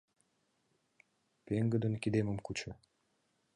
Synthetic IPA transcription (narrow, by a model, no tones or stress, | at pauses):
peŋɡə̆d̪ə̆nkid̪emə̆mkut͡ɕə̆